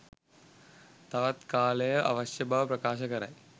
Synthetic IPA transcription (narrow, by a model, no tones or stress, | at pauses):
t̪ɐʋɐt̪kaːlɐjɐʔɐ̰ʋɐɕjɐbʱɐʋɐpɾɐkaːʃɐkɐɾɐ̰j